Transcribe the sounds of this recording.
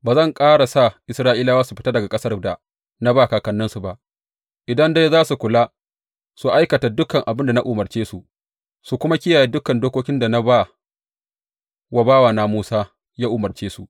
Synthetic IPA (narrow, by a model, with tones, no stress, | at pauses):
baː˨zɐ˦˨ŋkʼaː˦ɽa˨sa˦˨ʔɪ˨sɾaː˦ʔiː˦la˦waː˦su˨ɸɪ̥˦ta˦dɐ˨ɡa˨kʼɐ˦sɐ˦rda˨ | na˦baː˦˨kaː˨kɐ˨nːɐ˦nsu˨ba˨ʔ | ʔɪ˨dɐ˦nda˦jzaː˦su˨kʷʊ˨laː˦ | su˨ʔa˦jkɐ˨ta˨dʊ˦kɐ˨ŋʔa˨bɪ˦nda˨na˦ʔʊ˨mɐ˨rt͡ʃeː˦su˨ʔ | su˨kʷʊ˦ma˦kʲɪ˦jaː˨jeː˦dʊ˦kɐ˨ndoː˦kʷoː˦kʲɪ˦nda˨na˦ba˦˨ | wa˨baː˦waː˨naː˨muː˦saː˦ | jaː˦ʔʊ˨mɐ˨rt͡ʃeː˦su˨